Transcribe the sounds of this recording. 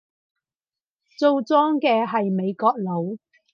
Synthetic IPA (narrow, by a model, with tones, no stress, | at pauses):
t͡so˧wt͡sɔː˥ŋkɛː˧ɦɐ˨jme˨˧jkɔː˧k̚lo˨˧˥w